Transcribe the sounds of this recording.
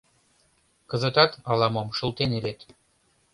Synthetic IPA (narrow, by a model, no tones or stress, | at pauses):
kɤ̆zə̆t̪ɑt̪ɑlɑmomʃɤ̆lˠt̪enelet̪